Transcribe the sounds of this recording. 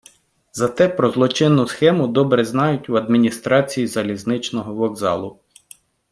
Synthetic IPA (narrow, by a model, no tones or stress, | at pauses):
zɐt̪ɛpɾɔzlˠɔt͡ʃɪnːʊsxɛmʊd̪ɔbɾɛznɑjʊtʲuɐd̪mʲinʲist̪ɾɑt͡sʲijizɐlʲiznɪt͡ʃnɔɦɔʋɔɡzɑ̰lˠʊ